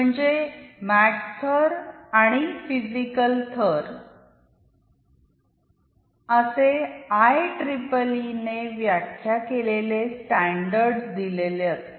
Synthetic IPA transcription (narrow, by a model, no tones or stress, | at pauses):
məɳd͡ʑemæʈt̪ʰəɾaɽ̃ifizikəlt̪ʰəɾ | əseajʈɾipəlineʋjakʰːjakelelesʈæɳɖəɾɖsd̪ileljat̪